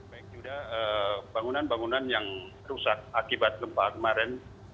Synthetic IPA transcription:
baik̚d͡ʒudaəbaŋunanbaŋunanjaŋ | rusak̚akibat̪̚ɡəmpakəmaɾɛn

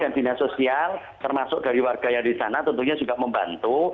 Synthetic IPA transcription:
andi̤nasosial | t̪ərmasʊk̚d̥aɾiwarɡ̥ajaŋdisanat̪ənt̪uɲasukaməmbant̪u

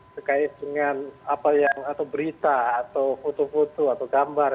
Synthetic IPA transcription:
səkaɪt̪̚dəŋanapajaŋat̪awbəɾit̪aːt̪awfut̪ufut̪uat̪awɡambar

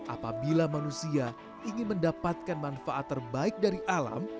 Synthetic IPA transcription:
ʔa̰pabilamanusia | ʔiŋɪnməndapat̪̚kanmanfaʔat̪ːərbaɪk̚daɾiʔala̰m

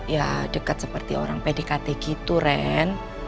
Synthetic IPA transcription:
jadəkat̪̚səpərt̪io̰ɾaŋpedekat̪eɡit̪uɾɛn

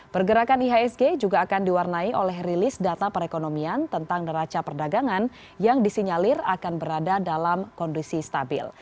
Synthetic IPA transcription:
pərɡəɾakaniɦaɛsɡed͡ʒuɡaːkandiwarnaiʔolɛɦrilɪsdat̪apəɾekonomiant̪ənt̪aŋnəɾat͡ʃapərdaɡaŋan | jaŋdisiɲalɪrakanbəɾadadalamkɔndisist̪abɪ̰l

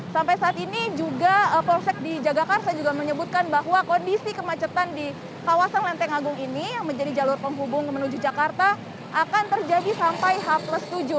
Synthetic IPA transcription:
sampajsaːt̪inid͡ʒuɡaəpɔlsɛk̚did͡ʒaɡakart̪ad͡ʒuɡaməɲəbut̪̚kanbaɦwakondisikəmat͡ʃət̪andi | kawasanlɛnt̪ɛŋaɡʊŋinijaŋməɲd͡ʒadid͡ʒalʊrpəŋɦubʊŋkəmənud͡ʒud͡ʒakart̪a | ʔakant̪ərd͡ʒadisampajɦapləst̪ud͡ʒu

